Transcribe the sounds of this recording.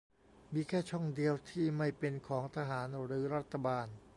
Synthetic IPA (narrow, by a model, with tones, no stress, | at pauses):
miː˧kʰɛː˥˩t͡ɕʰɔ˥˩ŋdi˧əwt̪ʰiː˥˩ma˥˩jpe˧nkʰɔː˩˦ŋt̪ʰa˧ɦaː˩˦nɾɯː˩˦ɾa˥˩t̪ʰːa˧baː˧n